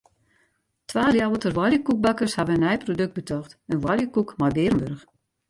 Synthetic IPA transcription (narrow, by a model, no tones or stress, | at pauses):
tʰʋaːrjawətərʋwɔljəkuk̚bakərshaʋəənɛjprodøk̚bətʰɔxtənʋwɔljəkukmajbɪːrəmbørəx